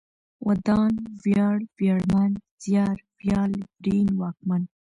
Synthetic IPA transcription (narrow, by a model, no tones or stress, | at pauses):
wad̪ɑnwjɑɽwjɑɽmanz̥jɑɾwjɑːlbɾinwɑk̚man